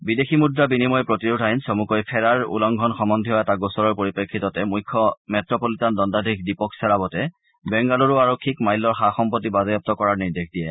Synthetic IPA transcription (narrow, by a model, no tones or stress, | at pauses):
bideximudɹabinimɔjpɹotiɹudʱajnsomukɔjpʰɛɹaɹṵlɔŋɡʱɔnxɔmɔndʱiɦɔataɡosɔɹɔɹpoɹipekʰːitɔtɛmujkʰːɔmɛtɹɔpolitandɔndadʱikdipɔksɛɹabɔtɛ | bɛŋɡalɔɹuaɹɔkʰːikmajlːɔɹxaxɔmpɔt̬ːibazɔjɔp̚tɔkɔɹaɹniɹdekʰdijɛ